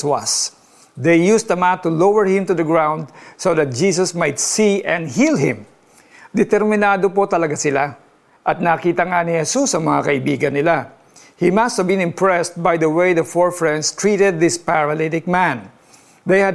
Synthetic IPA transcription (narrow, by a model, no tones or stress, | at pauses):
was | d̪ejjust̪d̪ɐmant̪ːʊlowəɹhɪ̃mt̪ʊd̪ɐɡɹãw̃nd̪̚soðɐt̪̚d͡ʒiːs̬ɐsmajt̪siʔɛ̃nd̪hilɦɪ̰̃m | d̪ɛt̪ɛɾmɪnaːd̪opot̪ɐlɐɡasɪla | ʔɐt̪̚naːkiːt̪ɐŋanɪhɛsusɐŋmɐŋakɐʔɪbiːɡɐnːɪla | himɐst̪hɐvbɪ̃nɪ̃mpɹɛst̪̚bajd̪ɐwejd̪ɐfɔɹfɹɛ̃nd̪st̪ɹiːt̪ɛd̪̚ːɪspaɹɐlɪt̪ɪk̚mãn | d̪ejhɐ